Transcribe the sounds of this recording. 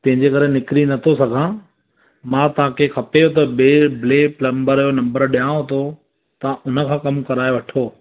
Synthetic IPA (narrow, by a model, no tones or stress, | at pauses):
t̪ɐ̃ɦɪ̃ɲd͡ʑekɐɾenɪkɾinɐt̪ʰosɐɡʱãː | mãːt̪ɐʋ̤ãːkʰexʰɐpeot̪̬ɐɓeːbɪleːplɐmbəɾjonɐ̃mbəɾɗijãːot̪ʰo | t̪ɐʊnə̆kʰãːkɐmkɐɾaːjoʋɐʈʰoː